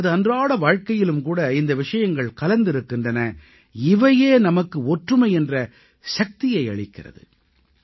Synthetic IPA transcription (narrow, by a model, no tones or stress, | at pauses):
ɐðɯɐndraːɽɐʋaːɻkɐjɪlɯmkuːɽɐɪnd̪ɐʋɪʂɐjɐŋɡɐɭkɐlɐnd̪ɪɾɯkːɪndrɐnɐ | ɪʋɐjeːnɐmɐkːɯɔʈrɯmɐɪɛndrɐ | ʂɐk̚t̪ɪjɐɪɐ̰ɭɪkːɪrɐ̰ðɯ̰